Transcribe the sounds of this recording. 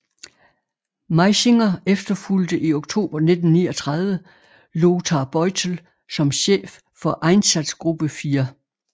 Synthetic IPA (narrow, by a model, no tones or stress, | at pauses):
mɑɪse̝ŋɐefd̥ɐfuld̥əʔio̝ɡ̥t͡sʰo̝̰ːb̥ɐne̝d̥n̩niːɒt͡sʰʁað̞ˠʋə | lo̝ːt͡sʰɑ̈ːb̥ɒɪt͡sʰl̩ | sɒ̽mɕḛːfːɒ̽ʔɑ̈ɪnsæd̥sɡ̥ʁub̥əfiːɐ